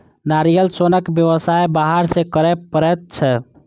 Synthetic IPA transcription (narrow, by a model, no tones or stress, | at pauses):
naɾijəlsonəkbjəʋəsajbaɦaɾsekəɾɛpəɾɛt̪̚t͡ʃʰɛ